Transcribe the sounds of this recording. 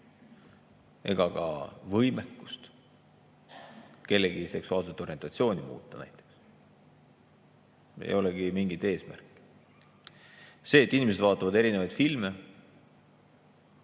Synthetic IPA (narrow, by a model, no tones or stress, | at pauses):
e̞̰ɡ̥ɑɡɑ̰vɤ̞jmekːu̥st̪ | ke̞lːeɡise̞ksuɑːls̬et̪ːˑo̞ɾie̞nt̪ɑt̪sio̞ːnimṵːt̪ˑːɑnæ̰jt̪ːˑe̞̥ks | ḛjo̞leɡ̥imiŋɡ̥it̪e̞ːsmæ̰rkːˑ | se̞ːt̪ːˑinimese̞d̪vɑːt̪ːˑɑvɑd̪e̞ɾinevɑjd̪̥filme̞